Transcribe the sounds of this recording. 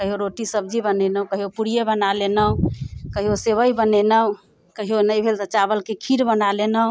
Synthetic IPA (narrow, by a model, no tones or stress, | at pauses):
kəɦijoɾoʈisəb̚d͡ʒibənɛnəɦũkəɦijopuɾijebənalenəukəɦijoseβəjbənenəu | kəɦijonəjbʱelt̪ət͡ʃabəlkekʰiɾbənalenə